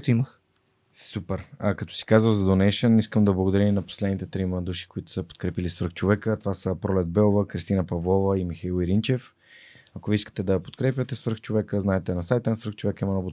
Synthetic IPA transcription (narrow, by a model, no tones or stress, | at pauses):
t̪iməx | supɛɾkɐt̪ɔ̥si̥kazvəwzɐd̪onɛʃəniskəmd̪ɐblˠɐɡod̪ɐɾiinɐpo̥slɛd̪nit̪ɛt̪ɾiməd̪uʃi̥koit̪ʊ̥səpo̥t̪̚kɾɛpilisvəɾ̩xt͡ʃovɛkət̪ovasəpɾɔlɛd̪̚bɛlˠovəkɾist̪inəpɐvlˠɔvəimixailˠiɾint͡ʃɛf | ɐkoviiskə̥t̪ɛd̪ɐpot̪kɾɛpjət̪ɛsvəɾxt͡ʃovɛkəznaɛt̪ɛnɐsajt̪ənɐsvəɾxt͡ʃovɛkəimɐnɔb̪